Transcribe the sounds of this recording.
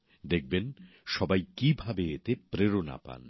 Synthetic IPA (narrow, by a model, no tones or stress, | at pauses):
d̪ek̚ben | ʃɔbajkibʱabeet̪epɾeɾona̰pa̰n